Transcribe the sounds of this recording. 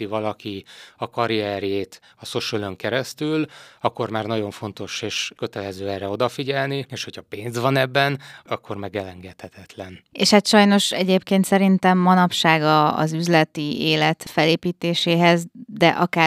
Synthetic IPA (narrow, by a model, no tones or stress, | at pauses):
ivɒlɒkiɒkɒɾiɛɾeːt̪ɒso̞ʃøløŋkɛɾɛst̪ylɒkːo̞rmaːrnɒɟo̞ɱfo̞nt̪o̞ʃeːʃkø̞t̪ɛlɛzøːɛrɛo̞d̪ɒfiɟɛlnieːʃhochɒpeːnzʋɒnɛbːɛnɒkʰːo̞rmɛɡɛlɛŋɡɛt̪hɛt̪ʰɛt̪lɛnḛːʃhat̪ʃɒjno̞ʃɛɟeːpkeːnt̪sɛɾint̪ɛmːɒnɒpʃaːɡɒ̰ːzyzlɛt̪ieːlɛt̪fɛleːpiːt̪eːʃeːɦɛzd̪ɛʔɒkaː